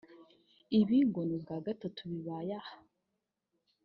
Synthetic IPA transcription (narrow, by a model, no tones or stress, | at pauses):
iβiːŋɡonibɡaɡatatuβiβaːjahḁ